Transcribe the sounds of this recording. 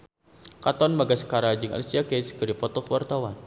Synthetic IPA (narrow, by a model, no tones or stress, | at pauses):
kat̪ɔnbaɡaskaɾad͡ʒɨŋa̰lisiakeskəɾipɔt̪ɔkəwart̪awan